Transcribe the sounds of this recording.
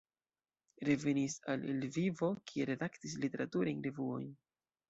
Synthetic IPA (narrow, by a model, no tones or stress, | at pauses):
ɾe̞ve̞nisalilvivo̞kʰie̞ɾe̞daktis̬lite̞ɾatuɾajnɾe̞vuo̞̰jn